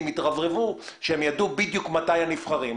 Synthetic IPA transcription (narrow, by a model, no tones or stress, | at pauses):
mit̪ʁavʁevuʃeemjadubidjukmatajanifχaʁim